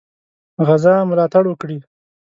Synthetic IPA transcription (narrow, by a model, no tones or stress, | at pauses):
ɣazɑmʊlɑt̪aɽwəkɽi